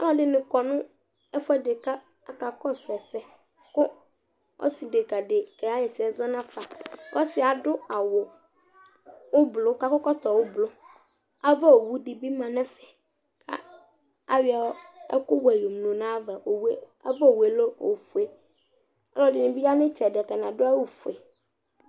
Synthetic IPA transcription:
a̰˦lɔ˦dɪ˨nɪ̃˨kɔ˨nʊ̃˦ | ɛ˦fʊ˦ɛ˦dɪ˨ka˦ | a˨ka˨kɔ˦sɛ˨sɛ˦ | kʊ˦ | ɔ̰˦si˨dɪ˨ka˨dɪ˨kɛ˨a˦jɛ˨sɪ˨ɛ˨zɔ˦nã˦fa˨wʔɔ˦sɪ˨a˨dʊ˦a˨wʊ˨ | wʊ˦blʊ˦ka˨kʊ˦kɔ˦t̪ɔ˨wʊ˦blʊ˦ | a˦va˦o˨wu˦dɪ˨bi˦mã˨nɛ̃˦fɛ̥˨ | kʰa̰˦ | a˦wɪ˦a˨˦ɛ̰˦kʊ˦wɛ˨jo˨m˨nõ˨nã˦va˨o˨we˦ | a˦va˦o˨we˨lo˦o̰˨fu˨e˦ | a̰˦lɔ˦dɪ˨nɪ̃˨bi˦a˦nɪ̃˦t͡ʃɛ˨dta˨nã˨dʊ˦a˦wʊ˨fʊ˨e˨

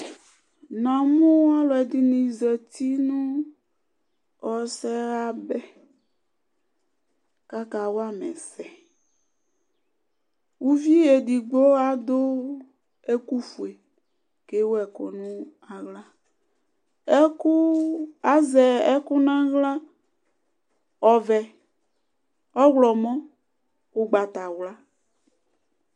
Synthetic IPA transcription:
nã˨mũ˦wa˦lɔ˨ɛ˨di˨nĩ˨zɛ˨t̪i˦nũ˦ | ɔ˨sɛ˦ɣa˦bɛ˦ | ka˦ka˨wo˦a˦mɛ̃˨sɛ˨ | wu˦vi˦je˨di˨ɡ͡bo˦a˨d̪o˦ | e˦ku˦fu˨e˨ | ke˦wo˦ɛ˨ko̰˨nũ˦ | a˨ɣla˦ | ɛ˦ku˦a˨zɛ˨ɛ˦ku˦nã˦ɣla˦ | ɔ˨vɛ˨ | ɔ˦ɣlɔ˨mɔ̃˦ | o˦ɡ͡ba˨t̪a˨wla˦

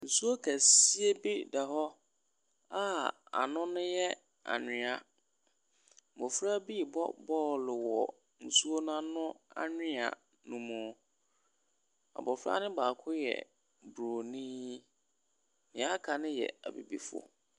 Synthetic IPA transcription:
n̩˨su˦o˦kʰæ˨si˦e˦bi˦da˨ɦɔ˦ | a˦a̰˨nʊ̃˦nʊ̃˦jɛ˦ | a̰˨nɪ̃˨a˨ | mɔ̃˨fɾa˦bi˦˨bɔ̰˦bɔː˦˨lɪ˨wɔ˨ | n̩˨su˦o˦nã˦nʊ̃˦a̰˦nɪ̃˦a̰˨ | nũ˨mũ˨ | a̰˨bɔ˨fɾa̰˦nɪ̃˦baː˨kʰʊ˦jɛ̰˨ | bɾo˨nĩ˦ | nɪ̃˨a˦kʰa˨nɪ̃˦jɛ̰˨a˨bḭ˨bi˦fʊ˦ɔ̰˨

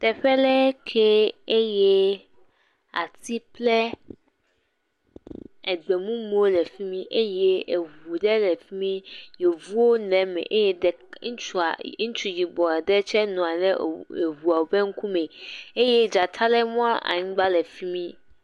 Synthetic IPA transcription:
t̪ɛ˨ɸɛ˦lɛ˦kʰɛ˦e˦jɛ˦ | a̰˨t̪i˦plɛ˦ | ɛ˨ɡ͡bɛ˨mũ˦m˦o˦lɛ˨fi˦mĩ˦ʔe˦jɛ˦e˨wu˨ɖɛ˦lɛ˨fi˦mĩ˦je˨vu˦wo˦nɛ̃˨mɛ̰̃˨ʔe˦jɛ˦dɛ˨ | ŋ̩˦t͡ʃu˦˨a̰˨˦ŋ̩˦t͡ʃu˨ji˨bɔ˨dɛ˦t͡ʃɛ˦nɔ̃˨a˨nɛ˦˨e˨wu˨a˨wo˨bɛ˦ŋ̩˦ku˦mɛ̃˨e˦jɛ˦d͡ʒa˨t̪ʰa˦lɛ˦mũ˦a˦ʔa̰˨ɲĩ˦ɡ͡ba˦lɛ˨fi˦mĩ˦

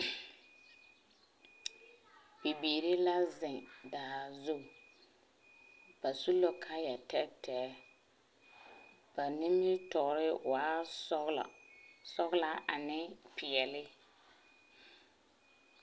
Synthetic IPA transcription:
bi˨biː˨ɾɪ˦la˦zɪ˨daː˨zu˦˨ | b̥a˨su˦lo˦kʰa˦jɛ˨tɛ˦tʰɛ˨˦ | b̥a˨ni˦mi˦tɔ˨ɾɪ˦wa̰ː˦˨ | sɔ˦ɣla˦a˨nɪ˦pɪ˨ɛ˨lɪ˦

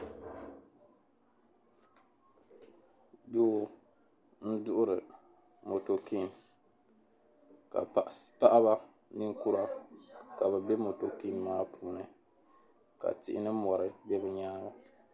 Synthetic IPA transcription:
doː˦ | n̩˦dʊ˦ʔʊ˦ɾɨ˨ | mo˨to˨ki˦˨m | ka̰˨pa˦ʔa˦βa˦ | nɨ˦ŋku˦ɾa˦ka˨βɛ˨bɛ˦mo˨to˨ki˦mːaː˦pʰuː˨˦nɨ˨ | ka̰˨tɪ˦˨ʔɪ˦nɨ˦mɔ˨ɾɨ˨bɛ˦bɨ˦ɲaː˦ɡa˨

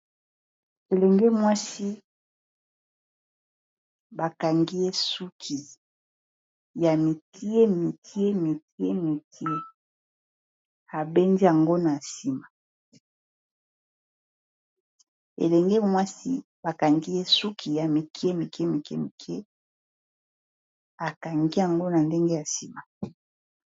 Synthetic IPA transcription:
e˨lɛ˨ŋɡe˦mwa˦si˦ | ba˨ka˨ŋɡi˦je˦su˦kʰi˨ | ja˨mi˨tʰi˦e˦mi˨tʰi˦e˦mi˨ti˦e˦mi˨tʰi˦e˦ | a˨be˦ndi˦a˨ŋɡo˦na˨si˨ma˨ | ḛ˨lɛ˨ŋɡe˦mwa˦si˦ | ba˨ka˨ŋɡi˦je˦su˦kʰi˨ja˨mi˨kʰi˦e˦mi˨ke˦mi˨kɛ˦mi˨kʰe˦ | a˨ka˨ŋɡi˦ja˨ŋɡo˦na˨nde˦ŋɡe˦ja˨si˨ma˨

